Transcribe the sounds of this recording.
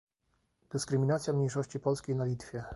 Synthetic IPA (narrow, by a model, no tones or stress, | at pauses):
d̪̥ɘskɾɘmʲinat̪sʲjamɲejʂɔɕt͡ɕipɔlskʲejnalʲit̪fʲjɛ